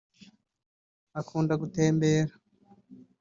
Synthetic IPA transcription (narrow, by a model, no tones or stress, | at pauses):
akʰuːndaɡuteːmbeːɾa